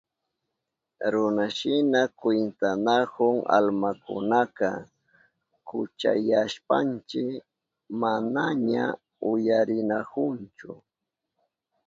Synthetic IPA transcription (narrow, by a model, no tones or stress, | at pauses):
ɾʊnaʃɪnakwent̪anakʊŋa̰lmakʊ̰nakɑ̰ | kʊt͡ʃa̰jaʃpant͡ʃɪk | manaɲa | ʊjaɾɪnakʊnt͡ʃʊ